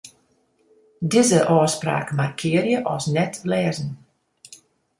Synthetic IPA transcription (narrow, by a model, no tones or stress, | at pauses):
dizəʔɔːspra̰ːkmarkʰɪərjəʔɔsnɛtlɛːzən